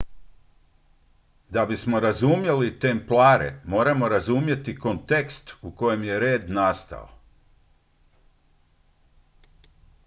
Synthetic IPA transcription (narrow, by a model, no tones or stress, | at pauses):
d̪abismo̞ɾazumje̞lit̪emplˠaːɾḛmo̞ːɾamo̞ɾazumje̞t̪iko̞nt̪e̞kst̪uko̞je̞mje̞ɾe̞ːd̪nast̪a̰o̰